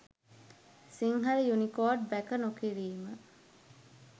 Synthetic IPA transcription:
siŋɦɐɾijunikoːɖ̚bækənokiɾiːmə

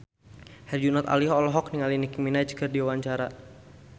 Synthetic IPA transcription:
hɛrd͡ʒunat̪a̰liɦɔlɔɦɔk̚niŋalinikiminad͡ʒkərdiwawaɲt͡ʃaɾa

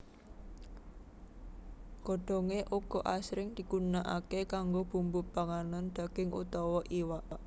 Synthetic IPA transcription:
ɡ̥ɔɖ̥ɔ̤ŋeʔuɡ̥ɔ̤ʔasɾɪŋd̪̥i̤ɡ̥unaʔa̰kekaŋɡob̥ṳmbʊb̥aŋanand̪̥a̤ɡ̥ɪŋʔṵt̪ɔwɔʔiwaʔ

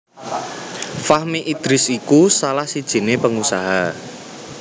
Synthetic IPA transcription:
fahmiʔid̪̥ɾɪsikusalahsid̥ʒ̥i̤nepəŋusaɦa

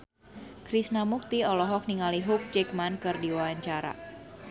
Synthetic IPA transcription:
kɾisnamuk̚t̪iɔlɔɦɔk̚niŋaliɦʊk̚t͡ʃɛk̚mankɨrdiwawaɲt͡ʃaɾa̰

